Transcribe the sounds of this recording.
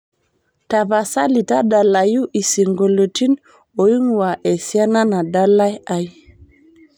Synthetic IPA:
ta˨βa˨sa˦li˨ta˦da˨la˨ju˦ʔi˨si˨ŋɡo˨lo˨ti˦n | o˨ji˦ŋ˨wa˨ʔe˨si˦a˦na˦na˨da˦la˦ja˦j

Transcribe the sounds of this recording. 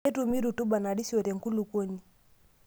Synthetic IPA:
ɛ˦tu˨mi˦ɾu˨tu˦ɓa˨na˨ɗi˦si˦ɔ˨ɾɛ˨ŋ̩˨ku˦lu˨kɔ˦ni˨

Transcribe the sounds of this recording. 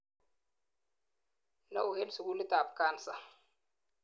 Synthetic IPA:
nɐ̰˦ʊ˨hɛ˦lsʊ˨ɡu˦lɪ˦t̪aː˨bkaː˦nsɐ˨

